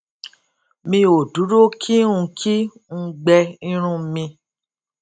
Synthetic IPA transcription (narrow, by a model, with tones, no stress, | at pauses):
mĩ˧o˨du˨˦ɾo˦kʰi˦ũ˧kʰi˦ | ŋ̩̃˧ɡ͡bɛ˧ĩ˦ɾ̃ũ˦mĩ˧